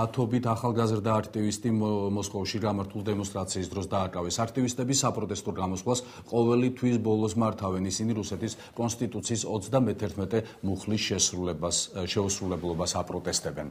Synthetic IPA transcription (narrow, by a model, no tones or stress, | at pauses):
at̪ʰɔbit̪ʰaχalˠɡazɾd̪aːkʰt̪ʼivist̪ʼimɔskʼɔfʃiɡamaɾt̪ʰulˠd̪ɛmɔnst̪ʼɾat̪sʰiːsd̪ɾɔsd̪aːkʼavɛsakʰt̪ʼivist̪ʼɛbisapʼɾɔt̪ʼɛst̪ʼuɾɡamɔsχwas | qʼɔvɛlit̪ʰwis̬bɔlˠɔsmaɾt̪ʰavɛnisiniɾusɛt̪ʰis | kʼɔnst̪ʼit̪ʼut̪sʰiːsɔt̪sʰd̪amɛt̪ʰɛɾt̪ʰmɛt̪ʼɛmuχlis | ʃɛusɾulɛblˠɔbasapʼɾɔt̪ʼɛst̪ʼɛbɛn